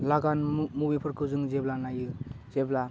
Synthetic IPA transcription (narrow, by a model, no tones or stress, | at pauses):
laɡanmubipʰɯɾkʰɯzɯŋzeblanajɯzebla